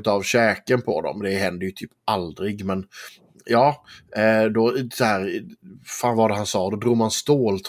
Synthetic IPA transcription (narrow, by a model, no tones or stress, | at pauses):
ʉt̪ɑvɕɛːkənpʰɔd̪ɔ̰md̪ɛɦɛnd̪əjɵt̪ʰyːpʔald̪ɾɪɡmɛn | jɑː | d̪ɔshæːɾ | faːnvaɖ̪ɛɦansɑːd̪ɔd̪ɾuːɡmanst̪oːlt̪ʰ